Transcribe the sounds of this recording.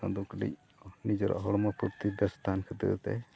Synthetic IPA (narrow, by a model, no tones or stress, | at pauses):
ã̰d̪ukɖḭc̚ | nid͡ʒɔɾa̰ʔɦɔɽmɔpuɾt̪ibɛst̪ʰankʰəd̪ə̰ʔt̪ɛ̰